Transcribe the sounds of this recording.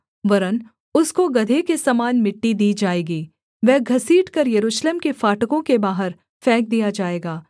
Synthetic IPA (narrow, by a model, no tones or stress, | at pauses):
ʋɐɾən | ʊskoɡɐd̪ʱekesɐmaːnmɪʈːid̪iːd͡ʒaːeːɡiː | ʋɛɦɡʱɐsiːʈkɐɾjɐɾuːʃleːmkefaːʈəkõkebaːɦəɾ | fɛ̃ːk̚d̪ijad͡ʒaːeːɡaː